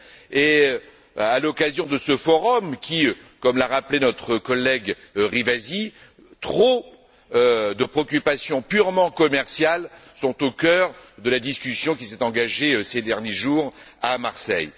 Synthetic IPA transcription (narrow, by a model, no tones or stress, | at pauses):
e | alɔkazjɔ̃d̪əsəfɔʁɔmkʲikɔmlaʁaplenɔt̪χəkɔlɛɡʁivazi | t̪χo | ød̪əpχeɔkʲypasjɔ̃pyʁmɑ̃kɔmɛʁsjalsɔ̃t̪okʲœʁd̪əlad̪iskʲysjɔ̃k̬ʲisɛt̪ɑ̃ɡaʒesed̪ɛʁnjeʒuʁamaʁsɛ̰j